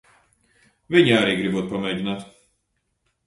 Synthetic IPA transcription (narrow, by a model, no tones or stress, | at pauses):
vʲiɲaːɾiːɡɾivuɔt̪̚pamʲɛjɟʲinaːt̪